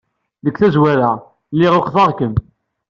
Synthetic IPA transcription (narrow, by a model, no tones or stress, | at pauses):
ðəkːθæzwæɾæ | lːiʁoχðɑʁkəm